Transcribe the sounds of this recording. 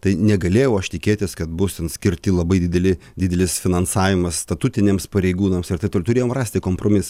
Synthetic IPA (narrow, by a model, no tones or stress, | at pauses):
t̪ɐɪnʲɛɡɐlʲeːjɛʊɐʃt̪ʲɪkʲeːt̪ʲɪskɐt̪̚bʊst̪ʲɛnsʲkʲɪɾʲt̪ʲɪlˠɐbɐɪd̪ʲɪd̪ʲɛlʲɪ | d̪ʲɪd̪ʲɛlʲɪsfʲɪnɐnsɑːʋʲɪmɐsst̪ɐt̪uːt̪ʲɪnʲeːmspɐɾʲɛɪɡuːnɐmsɪɾrt̪ɐɪpt̪oːlʊt̪ʊɾʲeːjoːmrɑːsʲt̪ʲɪkoːmpɾoːmʲɪs